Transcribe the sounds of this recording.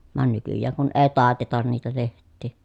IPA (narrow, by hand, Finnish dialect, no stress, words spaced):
ʋɑn nykyjːæːŋ kun eː tɑˑetetɑn niːtæ lehtˑiː